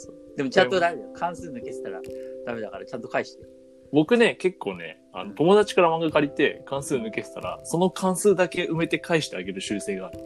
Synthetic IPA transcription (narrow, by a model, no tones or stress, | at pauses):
soːd̪e̞mo̞t͡ɕãnt̪od̪amed̪ajokʰãɰ̃sɨːnɯ̟ke̞se̥t̪aɾa̰d̪̥ame̞d̪akaɾat͡ɕãnt̪o̞kaiɕi̥t̪e | bo̞kɯ̟ne̞ke̞kːo̞ːne̞̰ | a̰no̞t̪o̞mo̞d̪at͡ɕi̥kaɾamãŋɡakaɾʲit̪e̞kãɰ̃sɨːnɯ̟ke̞t̪e̥t̪aɾa̰so̞no̞kʰãɰ̃sɨːd̪ake̞ɯ̟me̞t̪e̞kʰaiɕi̥t̪eaɡe̞ɾɯ̟ɕɨːse̞ːɡaːɾɯ̟